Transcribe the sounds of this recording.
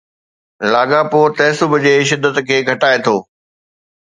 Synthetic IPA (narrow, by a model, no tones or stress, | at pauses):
laːɠapoːt̪ɐːsʊbʱʊd͡ʑeːʃ̬ɪd̪ʱːət̪kʰeːɡʱɐʈaːet̪ʰoː